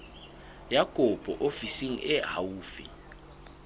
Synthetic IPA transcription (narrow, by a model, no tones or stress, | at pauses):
jaɡ̥ʱɔb̥ʼʱɔ̰ʔofisiŋ̩ɛɦa̰wuːfḭ